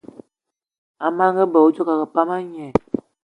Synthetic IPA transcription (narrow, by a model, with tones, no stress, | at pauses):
a˨ma˦ŋɡə˦bə˨o˦d͡ʒo˦ka˨kə˨pa˦ma˦ɲ˦ɛ˨